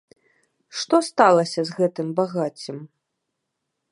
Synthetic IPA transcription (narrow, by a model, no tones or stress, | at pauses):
ʂt̪ɔst̪alˠɐsʲɐzɣɛt̪ɨmbaɣat͡sʲːɨm